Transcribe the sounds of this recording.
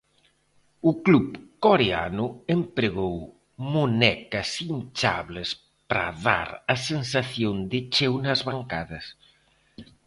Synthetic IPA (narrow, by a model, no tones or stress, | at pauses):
ʊkluβkoɾea̰nʊempɾeɣow | monɛkɐsint͡ʃa̰βlɪs | pɾa̰ða̰ɾɐsensaθjond̪ɪt͡ʃewnɐzβaŋkaðɐs